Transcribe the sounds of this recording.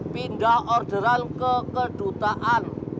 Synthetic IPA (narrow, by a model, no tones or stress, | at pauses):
pind̪ahɔrd̪̥əɾankəkəɖ̥ut̪aʔan